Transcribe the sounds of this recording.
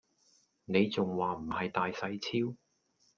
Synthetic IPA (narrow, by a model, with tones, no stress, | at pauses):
ne˨˧jt͡sʊ˨ŋwaː˨m̩˨˩hɐ˨jt̪aː˨jsɐ˨˧jt͡sʰiː˥w